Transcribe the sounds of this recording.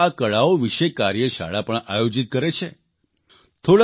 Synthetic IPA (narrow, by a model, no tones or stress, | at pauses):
akəɭaoʋiʃekaɾjəʃa̰ɭapəɳajod͡ʒit̪̚kəɾet͡ʃʰe | t̪ʰoɭ